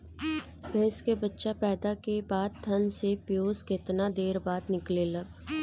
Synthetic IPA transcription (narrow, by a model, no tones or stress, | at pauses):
bʱeːskebətːʃapɛːd̪akebaːd̪̚t̪ʰːɐnsepjoːzkɪt̪nad̪eːɾbaːd̪nɪklelɐb